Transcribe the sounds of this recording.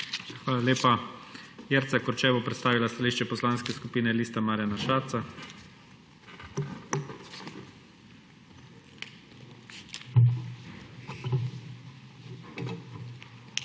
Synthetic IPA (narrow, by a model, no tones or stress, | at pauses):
xʋaːlaleːpa | jɛɾt̪sakɔɾt͡ʃɛːbɔpɾɛt̪st̪aːʋilast̪aliːʃt͡ʃɛpɔslaːnskɛskupiːnɛliːst̪amaːɾjanaʃaːɾt̪sa